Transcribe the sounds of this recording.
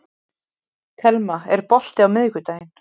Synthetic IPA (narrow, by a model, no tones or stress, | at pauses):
k̪ʰɛlmaɛɾpɔl̥t̪ɪawmɪðkʏt̪aːjɪn̥